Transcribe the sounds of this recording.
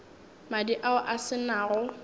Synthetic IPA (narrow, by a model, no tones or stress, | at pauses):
madiʔaʊʔasɪnaːrʊ